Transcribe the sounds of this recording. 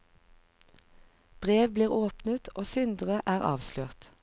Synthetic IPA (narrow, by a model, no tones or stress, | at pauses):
b̥ʁeːʋbliːʁoːpnət̪ʰoːsʏnd̪ʁəʔæːʁɑ̰ːʋsløːʁt̪